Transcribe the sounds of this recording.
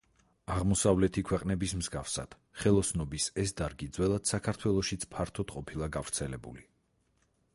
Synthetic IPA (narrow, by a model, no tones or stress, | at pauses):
aʁmɔsavlɛt̪ʰikʰwɛqʼnɛbismzɡafsa̰d̪̥ | χɛlˠɔsnɔbisɛsd̪aɾɡid̪zwɛlˠad̪̥sakʰaɾt̪ʰwɛlˠɔʃit̪sʰpʰaɾt̪ʰɔd̪̥qʼɔpʰilˠaɡavɾt̪sʰɛlɛbṵli